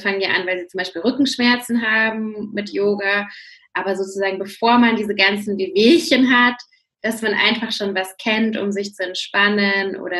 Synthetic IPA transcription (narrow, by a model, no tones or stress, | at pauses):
faŋənjaʔa̰nvaɪlziːt͡sʊmbaɪʃpiːlʁʏkŋ̩ʃmɛɐt͡sn̩ɦaːbm̩mɪtjoːɡɐʔaːbɐzoːt͡suzaːɡŋ̩bəfoːɐmandiːzəɡant͡sn̩beveːçənɦat | d̥asmanʔa̰ɪnfaχʃoːnvaskʰɛntʊ̰mzɪçt͡suɛntʃpanənʔo̰ːɾɐ